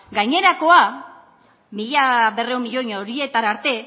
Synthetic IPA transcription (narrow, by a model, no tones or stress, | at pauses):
ɡajɲe̞ɾako̞a | miʎaβe̞reumiʎo̞ɲoɾie̞t̪anaɾt̪e̞